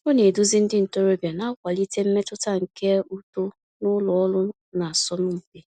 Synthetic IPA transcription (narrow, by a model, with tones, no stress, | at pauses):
o˦ne˨du˦zi˦n̩˦dɪ˦n̩˨to˦ɾo˦bja˨na˦kʷa˨li˦te˦m̩˦me˦tʊ˦ta˦ŋ̩˨ke˦u˦to˦ | nʊ˦lɔ˨ɔ˦lʊ˦ | na˨sɔ˦nʊ˦m̩˨ke˨